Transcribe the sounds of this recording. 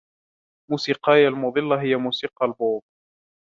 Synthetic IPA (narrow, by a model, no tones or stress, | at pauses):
muːsiːqɑːjalmʊðˤɨlːɑɦɪjːamuːsiːqɑlboːb̚